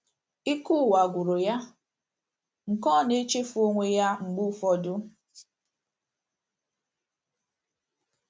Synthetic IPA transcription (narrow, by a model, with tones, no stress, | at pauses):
i˦ku˦˨wa˨ɡʷʊ˨ɾo˨ja˦ | ŋ̩˨kɔ˦˨ne˦t͡ʃe˦fo˦ŋʷe˦ja˦ŋ͡m̩˨ɡ͡bu˦fɔ˦dʊ˦